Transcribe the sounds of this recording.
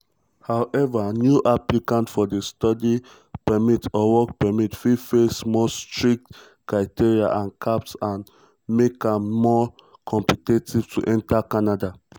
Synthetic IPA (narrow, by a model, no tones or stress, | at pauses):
hawʔɛvanjuʔaplikãntfɔdestɔdi | pɛmitɔwɔkpɛmitfifesmɔstɹik̚t | kɹaɪtiɹia̰ʔãnkʰapsãn | mekãmːɔ | kʰɔ̃mpitetiv̥tʰuʔɛ̃ntakanada